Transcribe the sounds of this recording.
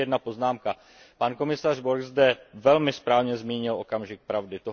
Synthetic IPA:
ɛdnapo̞znaːmka | panko̞mɪsar̝boɾkzdɛvɛlmɪspɾaːvɲɛzmiːɲɪlʔo̞kamʒɪk̚pɾavdɪt̪o

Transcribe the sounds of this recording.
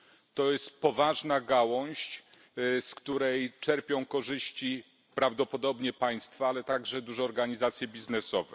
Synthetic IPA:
t̪ɔjɛst̪pɔvaʐnaɡawɔ̃ɕt͡ɕ | skt̪uɾɛjt͡ʂɛɾpʲjɔ̃w̃kɔʐɘɕt͡ɕi | pɾavd̪ɔpɔd̪ɔbɲɛpaj̃st̪faalɛt̪aɡʐɛd̪uʐɛɔɾɡaɲizat̪sʲjɛbʲiznɛsɔvɛ̰

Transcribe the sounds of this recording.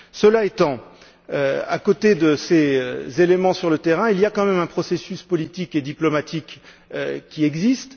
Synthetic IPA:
səlaet̪ɑ̃ | øa̰kot̪ed̪əseøzelemɑ̃syʁlət̪ɛʁɛ̃ilijakɑ̃mɛmɛ̃pχɔsesyspɔlit̪iked̪iplɔmat̪ʰik | ø̰kʲiɛɡzist̪

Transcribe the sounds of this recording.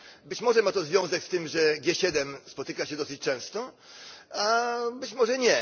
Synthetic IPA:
bɘt͡ɕmɔʐɛmat̪ɔzvʲjɔ̃w̃zɛkst̪ɘmʐɛɡʲjɛɕɛd̪ɛmspɔt̪ɘkaɕɛd̪ɔsɘt͡ɕt͡ʂɛ̃w̃st̪ɔ | abɘt͡ɕmɔʐɛɲɛ

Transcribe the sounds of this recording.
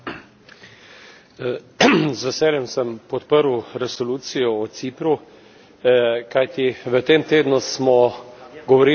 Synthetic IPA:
zʋɛsɛːljɛmsəmpɔt̪pəɾwɾɛsɔluːt̪sijɔɔt̪sipɾu | kajt̪iʋət̪eːmt̪eːd̪nusmɔɡɔʋɔɾiː

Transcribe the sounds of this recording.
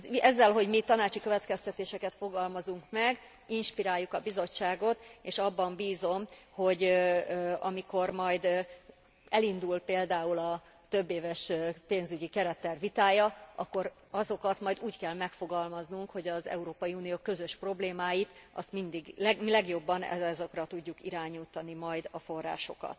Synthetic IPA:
zɛzːɛlɦo̞ɟmit̪ɒnaːt͡ʃikø̞vɛt̪kɛst̪ɛt̪eːʃɛkɛt̪fo̞ɡɒlmɒzuŋkmɛɡ | inʃpiɾaːjːukɒbizo̞t͡ʃːaːɡo̞t̪eːʃɒbːɒmbiːzo̞mho̞ɟ | ɒmiko̞rmɒjd̪ | ɛlind̪ulpeːld̪aːulɒ | t̪øbːeːvɛʃpeːnzyɟikɛɾɛt̪ːɛrvit̪aːjɒʔɒkːo̞ɾ | ɒzo̞kɒt̪mɒjd̪uːckɛlmɛkfo̞ɡɒlmɒznuŋkho̞ɟɒzɛ̰uɾoːpɒjiuːnijoːkø̞zøʃpro̞bleːmaːjit̪ʔɒ̰st̪mind̪iɡlɛmilɛɡjo̞bːɒnɛ̰ɛzokrɒt̪uɟːukiɾaːɲuːt̪ɒnimɒjd̪ɒfo̞rːa̰ːʃo̞kɒ̰t̪

